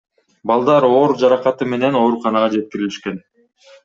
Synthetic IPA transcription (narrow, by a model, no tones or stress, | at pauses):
bɑlˠd̪ɑɾo̞ɾd͡ʒɑɾɑqɑt̪ɯme̞ne̞no̞ɾuqɑnɑʁɑd͡ʒe̞t̪̚kiɾiliʃke̞n